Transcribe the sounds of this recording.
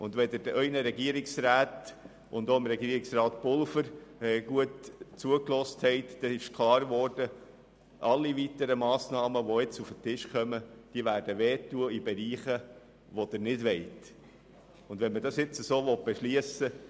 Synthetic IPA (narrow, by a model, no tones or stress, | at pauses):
ʊndʋɛd̪əɾd̥əʔœʏnəɾɛɡiəɾɪksɾæːt̪ | ʊnd̪oɪmɾɛɡiəɾɪksrɑːt̪pʊlfəɾɛɡ̥uətt͡suəklɔsthɛɪt̪d̥ɛɪʃkʰlɑːɾʋɔrd̥ə | ʔɑlːiʋit̪əɾəmɑːsnɑːməʋoɪt͡sufətɪʃkʰœməd̥iəʋæːɾdəʋeːtːuəibɛɾiːχə | ʋod̥̪əɾnɪdʋɛɪt | ʊnd̥̪ʋɛnmədɑsɪt͡səsoːʋɔt̚b̥ɛʃliəsə